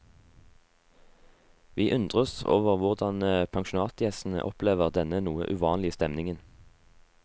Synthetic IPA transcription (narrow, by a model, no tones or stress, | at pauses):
ʋiːʔʉnd̪ʁəɔso̰ːʋəʁʋʊʁd̪ɑnəpʰɑŋʃʊn̩ɑːt̪jɛsn̩ə̰ʔɔpleːʋəʁd̪ɛnənuːə̰ʔʉʋɑːnlɪəst̪ɛmnɪŋən